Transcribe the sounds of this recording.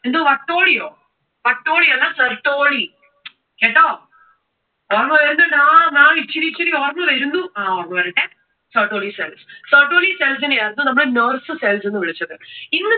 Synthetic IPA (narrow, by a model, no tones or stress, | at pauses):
end̪oːʋɐʈːoːɭijoː | ʋɐʈːoːɭiɐlːasɐrʈːoːɭi | keːʈːoː | oːɾɐmɐʋɐɾɯnd̪ɐnãːnãːʋit͡ɕːiɾit͡ɕːɐɾioːɾɐmɐʋɐɾund̪uãoɾmɐɐɾɐʈːe | sɐɾʈːoːɭiseːlssɐɾʈoːɭiseːls̬inejaːɾunːunɐmːɐɭenɐːrsɨseːlsenːɨʋiɭit͡ɕːɐðeinːɨ